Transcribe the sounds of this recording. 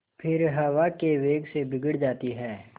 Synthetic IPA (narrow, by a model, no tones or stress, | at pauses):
pʰɪɾɦɐʋakeʋeːɡsebɪɡəɽd͡ʒaːt̪iɦɛː